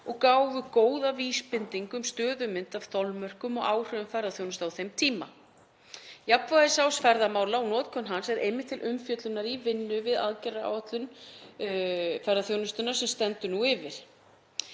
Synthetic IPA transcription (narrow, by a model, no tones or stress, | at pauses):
ɔɣkaːwvʏkoːwðaviːspɪnt̪iŋkʏmst̪œːðʏmɪnt̪av̥θɔlmœr̥kʏmɔɣaːwr̥œðʏmfɛjɾðaθjownʏst̪awθejmt̪ʰiːma | japvaðɪsawsfɛɾðamaːwlaawnɔːt̪̚kʰɔnɦansɛðejmːɪt̪ʰːɪlʔʏmfjœt̪lʏnːaɾivɪnːʏvɪða̰ðcɛraa̰ːwat̪lʏn | fɛɾðaθjownʏst̪ʏnḁsɛmst̪ɛnt̪ʏnuɪvɪɾ̥